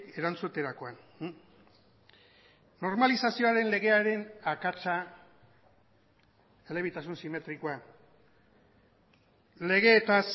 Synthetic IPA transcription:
e̞ɾant͡sut̪e̞ɾako̞an | o̞ɾmalisasio̞aɾe̞nle̞ɣ̞e̞aɾe̞nakat͡sa | e̞le̞β̞it̪asunsime̞t̪ɾikoa | le̞ɣ̞e̞ːt̪as

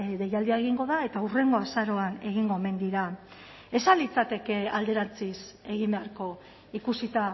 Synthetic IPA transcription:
ðe̞jald̪iaeɣ̞iŋɡo̞ðae̞t̪aure̞ŋɡo̞asaɾo̞ane̞ɣ̞iŋɡo̞eme̞nd̪iɾa | e̞salit͡sat̪e̞ke̞ald̪e̞ɾant͡sise̞ɣ̞imbe̞aɾko̞ | ikusit̪a

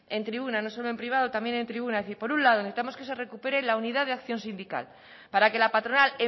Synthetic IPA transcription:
e̞nt̪ɾiβunano̞so̞loe̞mpɾiβ̞að̞o̞t̪amjenent̪ɾiβ̞unaðeθiɾpo̞ɾunlaðo̞neθi̥t̪amo̞ske̞se̞re̞kupe̞ɾe̞launiðaðeakθjo̞nsind̪ika̰l | paɾake̞lapat̪ɾo̞nale

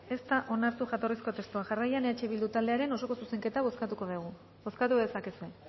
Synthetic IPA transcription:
e̞st̪aʔo̞naɾt̪uʝat̪o̞risko̞t̪e̞st̪uaʝarajaneat͡ʃe̞βild̪ut̪ald̪eaɾe̞no̞so̞ko̞suse̞ŋke̞t̪aβoskat̪uko̞ðeɣ̞u | bo̞skat̪ue̞sakesue̞

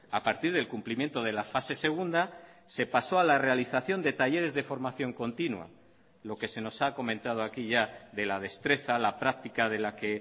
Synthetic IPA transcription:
apaɾt̪iɾð̞e̞lkumplimjent̪o̞ð̞e̞lafase̞se̞ɣ̞und̪a | se̞paso̞alare̞aliθaθjo̞nd̪e̞t̪aʝe̞ɾe̞zðe̞fo̞ɾmaθjo̞ŋko̞nt̪inwa̰ | lo̞ke̞se̞no̞sako̞mẽnt̪að̞oakiʝaðe̞lað̞e̞st̪ɾe̞θalapɾak̚t̪ikaðe̞lake̞

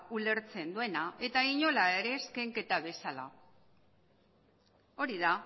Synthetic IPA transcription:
ule̞ɾt͡se̞nd̪ue̞nae̞t̪aiɲo̞laeɾe̞ːskeŋke̞t̪aβ̞e̞sala̰ | o̞ɾiða

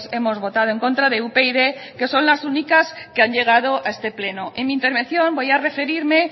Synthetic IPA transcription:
semo̞zβo̞t̪að̞oeŋko̞nt̪ɾaðeupeiðeke̞so̞nlasunikaskeaɲʎe̞ɣ̞að̞oʔae̞st̪e̞ple̞noʔeŋmĩnt̪e̞ɾβe̞nθjõ̞mbo̞jare̞fe̞ɾiɾme

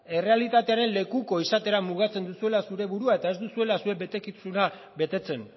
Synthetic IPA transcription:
e̞re̞alit̪at̪e̞aɾe̞nle̞kuko̞isat̪e̞ɾamuɣ̞at͡se̞nd̪usue̞lasuɾe̞βuɾuae̞t̪ae̞zd̪usue̞lasuebe̞t̪e̞kisuna | be̞t̪e̞t͡se̞n

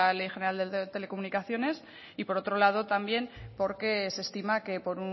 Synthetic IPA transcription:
ale̞jxe̞neald̪et̪e̞le̞ko̞munikaθjo̞ne̞s | ipo̞ɾo̞t̪ɾo̞lað̞o̞t̪ambje̞npo̞ɾke̞se̞st̪imake̞po̞ɾu

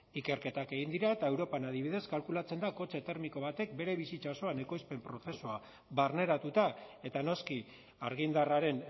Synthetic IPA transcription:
ike̞ɾke̞t̪ake̞ɣind̪iɾaet̪ae̞wɾo̞panaðiβiðe̞skalkulat͡se̞nd̪ako̞t͡set̪e̞ɾmiko̞β̞at̪e̞k̚be̞ɾe̞β̞isit͡saoso̞ane̞ko̞jspe̞mpɾo̞θe̞sua | βarne̞ɾat̪ut̪ae̞t̪ano̞ski | aɾɣind̪araɾe̞n

